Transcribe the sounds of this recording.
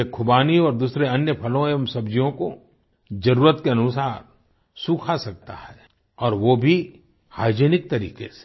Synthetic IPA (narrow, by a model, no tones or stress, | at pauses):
ekʰʊbaːniɔːɾd̪uːsɾeɐnjəpʰɐlõeɐmsɐbd͡ʒijõko | d͡ʒɐɾuːɾət̪keɐnʊsaːɾ | suːkʰasɐk̚t̪a̰ɦɛː | ɔːɾʋobʱi | ha̰ːd͡ʒeːnɪk̚t̪ɐɾḭːkese̥